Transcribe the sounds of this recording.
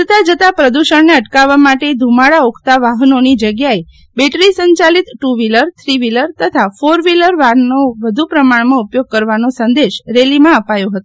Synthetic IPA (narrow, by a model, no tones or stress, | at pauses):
ət̪ad͡ʒət̪apɾəd̪uʃəɳneəʈkaʋːamaʈed̪ʱumaɽaokʰt̪aʋaɦənonid͡ʒəɡjae | beʈɾisəɲt͡ʃalit̪ʈuʋiləɾt̪ʰɾiʋiləɾt̪ət̪ʰafoɾʋiləɾʋaɾnoʋəd̪ʱupɾəmaɳmãupjoɡ̚kəɾʋanosə̃nd̪eʃɾelimãəpajoɦət̪o